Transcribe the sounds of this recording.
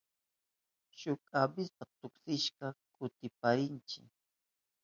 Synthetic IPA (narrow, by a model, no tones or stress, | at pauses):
ʃʊkʼabɪspat̪ʊksɪʃkɑkʊt̪ɪpaɾɪnt͡ʃɪ̰